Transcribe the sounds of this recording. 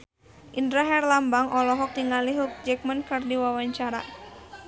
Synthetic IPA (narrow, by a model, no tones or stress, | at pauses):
ʔindɾaɦɛrlambaŋʔɔlɔɦɔk̚diŋaliɦuk̚d͡ʒɛk̚mənkərdiwawaɲt͡ʃaɾa̰